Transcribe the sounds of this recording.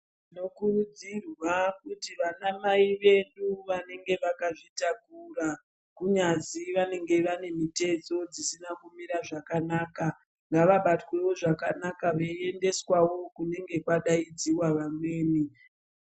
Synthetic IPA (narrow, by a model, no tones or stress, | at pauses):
no̞kurud͡zirwakutiʋanamaiʋe̞ɗuʋane̞ŋɡe̞ʋakaʐitakura | kuɲad͡ziʋane̞ŋɡe̞ʋane̞mite̞t͡so̞d͡zisinakumiɾaʐakanaːka | ŋɡaʋaɓatwe̞wo̞ʐakanakaʋeende̞swawo̞kune̞ŋɡe̞kwaɗaid͡ziwaʋamwe̞ːni